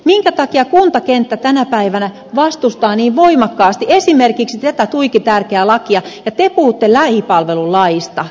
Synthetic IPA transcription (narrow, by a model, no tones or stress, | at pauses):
miŋkæt̪ɑkiɑkunt̪ɑkent̪ːæt̪ænæpæiʋænæ | ʋɑst̪ust̪ɑːniːʋʋoimɑkːɑːst̪iesimerkiksit̪æt̪æt̪uikit̪ærkeælɑkiɑjɑt̪epuhut̪ːelæhipɑlʋelullɑjist̪ɑ